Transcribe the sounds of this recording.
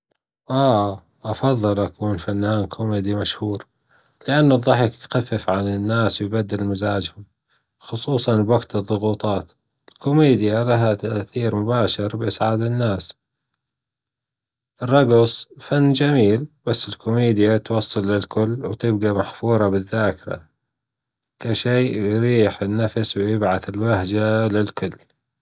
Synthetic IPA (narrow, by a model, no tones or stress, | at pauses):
ʔaː | ʔɑfɑðˤːɨlʔakuːnfanːaːnkʰʊmeːd̪imaʃhuːɾ | lɪʔanːʊðˤːɑħɪkt̪xafːɪfʕanɪnːaːswjbad̪ːalmazaːd͡ʒhʊm | xʊsˤuːsˤɑnbwaɡt̪ɨðˤːʊɣuːt̪ˤɑːt̪ | ɪlkʰʊmeːd̪jalaɦat̪aʔθiːɾmʊbaːʃɪɾbʔɪsʕaːd̪ɪnːaːs | ʔɪrˤːɑɡsˤfanːd͡ʒamiːlbasːɪlkʊmeːd̪ɪjat̪wɑsˤːɑlːɪlkʰʊlːwt̪ɪb̚ɡamaħfuːɾˤɑbɪðːaːkɪɾa̰ | kaʃiːjɾiːħɪnːafswjɪbʕaθɪlwahd͡ʒalɪlkʊlː